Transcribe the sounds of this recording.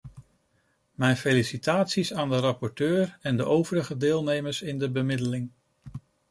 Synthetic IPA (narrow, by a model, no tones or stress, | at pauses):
mɛjnfelisitaːtsisaːndərɑpɔɹtøːɹɛndəʔowvəɾəχədeːlˠnejməɹsɪndəbəmɪdəlɪŋ